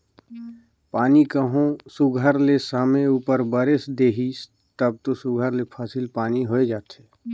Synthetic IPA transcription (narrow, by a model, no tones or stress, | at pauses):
paːnikəɦõsuɡʱəɾlesaːmẽuːpəɾbəɾesd̪eːɦis | t̪əb̚t̪osʊɡʱəɾlepʰasɪlpaːniɦoːed͡ʒaːt̪eː